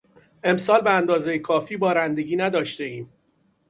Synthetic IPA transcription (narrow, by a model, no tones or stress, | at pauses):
e̞msɒːlbeænd̪ɒːzejekʰɒːfiːbɒːɾænd̪e̞ɟiːnæd̪ɒːʃt̪e̞iːm